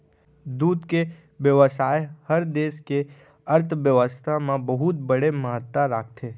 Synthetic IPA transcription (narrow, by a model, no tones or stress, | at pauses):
d̪uːd̪ke | ʋjəʋəsaːehəɾd̪eːʃke | ɐɾt̪ʰʋjəʋəst̪ʰamãbəɦʊt̪bɐɽeməɦət̪ːaɾaːk̚t̪ʰeː